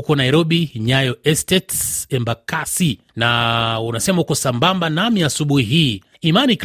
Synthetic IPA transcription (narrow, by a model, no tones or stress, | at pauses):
ukɔnaiɾɔɓiɲajɔɛstɛtsɛmbakasi | naunasɛmahukɔsambambanamiasuɓuhiɦiː | imanik